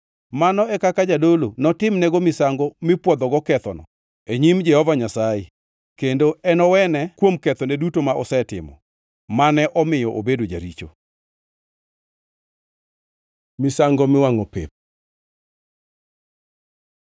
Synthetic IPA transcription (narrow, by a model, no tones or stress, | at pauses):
manɔɛkakad͡ʒadolonɔtɪmnɛɡomɪsaŋɡɔmɪpwɔd̪ɔɡɔkɛt̪ɔnɔ̰ | eɲimd͡ʒɛhɔvaɲasaje | kendoɛnɔwɛnɛkwomkɛt̪ɔnɛdutomaʔɔsɛtɪ̰mɔ̰ | manɛʔɔmɪjɔʔobedod͡ʒa̰ɾit͡ʃo̰ | mɪsaŋɡɔmɪwaŋopḛp̚